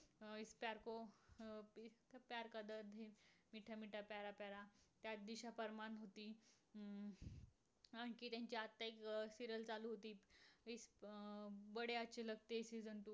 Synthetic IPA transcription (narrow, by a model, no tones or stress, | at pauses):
ispaɾko | t̪apaɾkad̪əɾd̪ʱemiʈʰamiʈʰapaɾapaɾat̪jat̪̚d̪iɕapəɾmanɦot̪iː | anikiːt̪jãɲt͡ɕiat̪ːaeksiɾəlt͡saluɦot̪iːis | bəɽeat͡ɕeləɡt̪esid͡zənʈ̪u